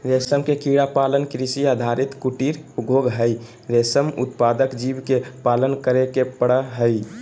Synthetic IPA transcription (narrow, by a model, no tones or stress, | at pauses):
ɾesəmkekiɽapalənkɾisiad̪ʱaɾit̪kuʈiɾɡʱoɡɦəɪ | ɾesəmṵt̪pad̪əkd͡ʒibkepalənkəɾekepəɽəɦəj